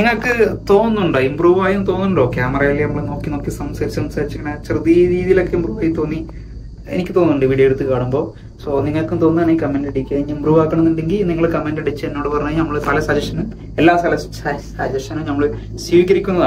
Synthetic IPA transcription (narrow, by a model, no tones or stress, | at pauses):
niŋːɐɭkːɨt̪o̞ːnːuɳɖɨimbruːʋaːjumt̪o̞ːnːuɳɖoːkaːmɐraːjilːjɐnɐmːɐɭeno̞ːkːino̞kːisɐmsaːɾit͡ɕːɐmsaːɾit͡ɕːukːɐɳat͡ɕrɨðiɾiːðijilo̞kːeimpruːʋaːjumt̪ːo̞ːnːi | ḛnikʲːɨt̪o̞ːnːuɳɖɨʋiɽijeɽut̪ːɨkaːɳumbo̞ː | soːniŋːɐɭkːumt̪o̞ːnːɨðanaːjikɐmːendeɽikʲːuɐiimpruːʋaːkːɐɳɐnːuɳɖeŋɡilniŋːɐɭkɐmːendeɽit͡ɕːɨenːo̞ːɽɨpɐrɐɲːɐjnɐmːɐɭst̪ɐlɐsɐd͡ʑɐʂɐnum | elːaːst̪ʰɐlɐ | sɐd͡ʑɐʂɐnumnɐmːɐɭ | swiːʋikʲːɐɾikʲːunːɐða